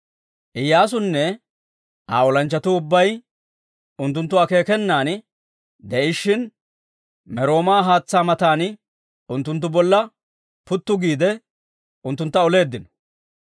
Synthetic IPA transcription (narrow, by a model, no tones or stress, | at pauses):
ʔɪjːaːs̬ʊnːɛ | ʔa̰ːɔlɐnt͡ʃːɐt̪ʊʊbːɐj | ʊnt̪ːʊnt̪ːʊake̞ːkɛnːaːn | d̪ɛʔɪʃːɪn | mɛɾo̞ːmaːɦaːt͡sːaːmɐt̪aːn | ʊnt̪ːʊnt̪̬ːʊbɔlːɐ | pʊt̪ːʊɡiːd̪ɛ | ʊnt̪ːʊnt̪ːɐɔle̞ːd̪ːɪnɔ̥